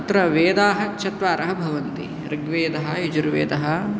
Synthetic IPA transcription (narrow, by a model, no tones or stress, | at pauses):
t̪ɾɐʋeːd̪aːɦɐ̆t͡ʃʰɐt̪ʋaːɾʔɐɦɐbʱɐʋɐnt̪ḭ | ɾɪɡʋeːd̪ɐɦɐjid͡ʒuɾʋḛːd̪ɐɦɐ̆